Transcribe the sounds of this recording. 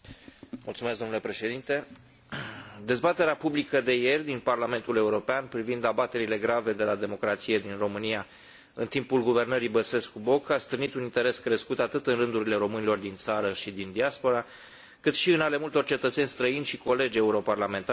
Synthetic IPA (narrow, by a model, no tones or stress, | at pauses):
mʔṵlt̪sumesɡd̪o̞mnule̞pɾe̞ʃe̞d̪int̪e̞ | d̪e̞zbat̪e̞ɾeapublikəd̪e̞je̞rʲd̪inparlame̞nt̪uleuɾo̞peanpɾivind̪abat̪e̞ɾile̞ɡɾave̞d̪e̞lad̪e̞mo̞kɾat̪sije̞d̪inro̞mɨnija | ɨ̰nt̪impulɡuve̞rnəɾibəse̞skubo̞kast̪ɾɨnit̪unint̪e̞ɾe̞skɾe̞skut̪at̪ɨt̪ɨnrɨnd̪uɾile̞ɾo̞mɨnilo̞rd̪int̪saɾəʃid̪ind̪iaspo̞ɾa | kɨt̪ʃiɨnale̞mult̪o̞rʲt͡ʃe̞t̪ət̪se̞nʲst̪ɾəinʲʃiko̞le̞d͡ʒe̞uɾo̞parlame̞nt̪